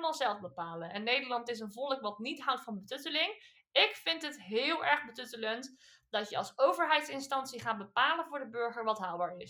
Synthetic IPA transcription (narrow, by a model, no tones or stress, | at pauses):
maːlˠzɛlˠfbəpaːlənɛnːejdəɹlɑntɪs̬ənvɔləkʋɑtnitɦʌwtfɑnbətɵtəlɪŋ | ɪkfɪntɦətɦɪːlˠɛɹχbətɵtələnt | d̥ɑtjəɑlˠsowvəɹɦɛjtsɪnstɑnsiχaːt̚bəpaːlənvʊːɹdəbɵɹχəɹʋɑtɦaːlˠbaːɹɪs